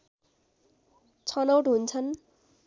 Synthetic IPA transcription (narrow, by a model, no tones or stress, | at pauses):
t͡sʰʌnʌwʈɦunt͡sʰʌn